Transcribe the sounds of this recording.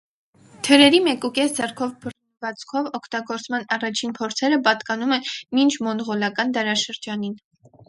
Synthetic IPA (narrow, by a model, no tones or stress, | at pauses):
t̪ʰəɾɛɾimɛkukɛsd͡zɛrkʰɔvbə | vɑt͡sʰkʰɔvɔkʰt̪ɑɡɔɾt͡smɑnɑrɑt͡ʃʰinpʰɔɾt͡sʰɛɾəpɑt̪kɑnumɛnmint͡ʃʰmɔnʁɔlɑkɑnd̪ɑɾɑʃəɾd͡ʒɑnin